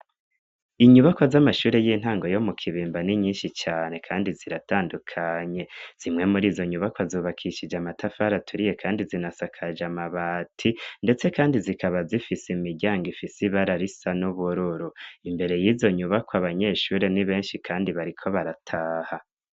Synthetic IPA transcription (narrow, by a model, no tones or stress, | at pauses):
iɲuβakwazamaʃuːɾe̞jiːn̥haːŋɡo̞jo̞mukʰiβiːmbaniɲiːnʃit͡ʃaːne̞kʰaːndiziɾataːndukʰaɲe̞z̥imŋe̞muɾiːzo̞ɲuβakwazuːβakʰiʃid͡ʒamatʰafaɾatʰuɾije̞kʰaːndizinasakʰad͡ʒamaβaːtʰinde̞t͡se̞kaːndizikʰaβazifisimiɟaːŋɡifisiβaɾaɾisanuβuɾuɾuimbe̞ɾe̞jiːzo̞ɲuβakwaβaɲe̞ʃuːɾe̞niβe̞ːnʃikʰaːndiβaɾikʰo̞βaɾatʰaːha